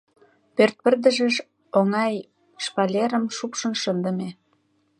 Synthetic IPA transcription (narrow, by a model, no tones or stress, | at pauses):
pørt̪̚pə̆rd̪ə̆ʒeʃ | oŋɑj | ʃpɑlʲeɾə̆mʃupʃə̆nʃənd̪ə̆me